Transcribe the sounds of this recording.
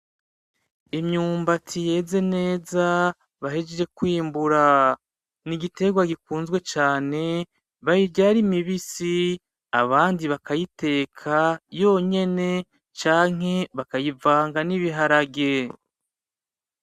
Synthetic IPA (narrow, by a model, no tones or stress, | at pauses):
imɲuːmbatʰije̞ːze̞ne̞ːza | βaɦed͡ʒed͡ʒe̞kwiːmbuɾa | niɡite̞ɡwaɡikuːnzɡwe̞t͡ʃaːne̞ | βajiɾɟaɾimiβisi | aβaːndiβakajite̞ːkʰajo̞ːɲe̞ne̞ | t͡ʃaːŋ̥ɦe̞βakajivaːŋɡaniβiɦaɾaɡe̞